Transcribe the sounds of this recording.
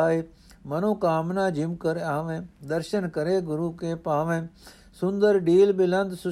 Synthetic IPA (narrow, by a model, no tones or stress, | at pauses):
aːi | mɐnoːkaːmnãːd͡ʑɪmkɐɾaːʋẽd̪ɐɾʃənkɐɾeɡʊɾuːkeːpaːʋẽ | sʊ̃nd̪əɾɖiːlbɪlɐ̃nd̪sʊ